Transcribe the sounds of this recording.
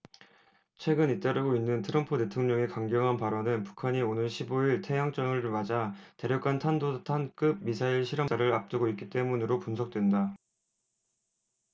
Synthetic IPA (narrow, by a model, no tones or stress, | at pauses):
t͡ɕʰwe̞ɡɯnit͈aɾɯɡoinːɯntʰɯɾʌmpʰute̞tʰoŋɲʌŋe̞kaŋɡjʌŋɦanpaɾʌnɯnpu̥kʰaɲionɯɭɕʰiboiɭtʰe̞jaŋt͡ɕ͈ʌŋɯɭmad͡ʑate̞ɾjʌk͈antʰandotʰank͈ɯb̚misʰaiɭɕʰiɾʌaɾɯɾap̚t͈ɯɡoitk͈it͈e̞munɯɾopunsʰʌk̚t͈we̞nda